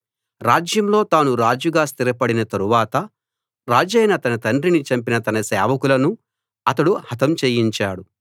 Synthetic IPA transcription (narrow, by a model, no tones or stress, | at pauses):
ɾaːd͡ʒjɐmlo̞ːt̪aːnuɾaːd͡ʒuɡaːst̪iɾɐpɐɽinɐt̪ɐɾuʋaːt̪ɐ | ɾaːd͡ʒɐjnɐt̪ɐnɐt̪ɐɳɖɾinit͡ʃɐmpinɐt̪ɐnɐsɛːʋɐkulɐnu | ɐt̪ɐɽuhɐt̪ɐmt͡ʃeːjiɲt͡ʃaːɽu